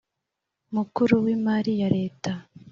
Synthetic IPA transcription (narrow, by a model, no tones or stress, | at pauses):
mukuɾuwiːmaɾijaɾe̞ːta